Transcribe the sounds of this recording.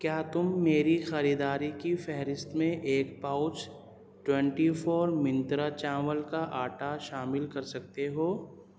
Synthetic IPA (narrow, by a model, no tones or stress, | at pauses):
kjaːt̪ʊmːeːɾixɐɾiːd̪aːɾikifɛɦɾɪst̪mẽʔeːkpaʊt͡ʃ | ʈwɛ̃ɳʈifoːɾmɪ̃nt̪ɾat͡ʃãːʋəlkaʔaːʈaʃaːmɪlkɐɾsɐk̚t̪eɦoː